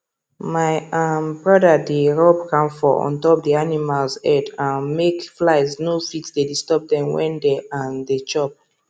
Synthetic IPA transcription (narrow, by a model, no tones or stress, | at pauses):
maɪãmbɹɔdədeɹɔbkãmfɔʔɔ̰̃ntɔp̚dianimalzɛdãnmekflaɪznofitsdedistɔb̚dɛ̃mwɛ̰̃ndeãndet͡ʃɔp̚